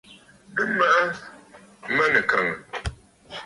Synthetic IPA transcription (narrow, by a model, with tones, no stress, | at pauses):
ɨ˦ma˦ʔa˦ | mə˦nɨ˨ka˨ŋə˨